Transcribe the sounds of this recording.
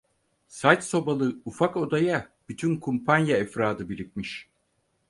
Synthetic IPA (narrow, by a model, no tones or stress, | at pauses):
sajt̪so̞balˠɯufako̞d̪ajab̥yt̪ʰynkʰumpʰanjaɛfɾaːd̪ɯbiɾit̚miʃ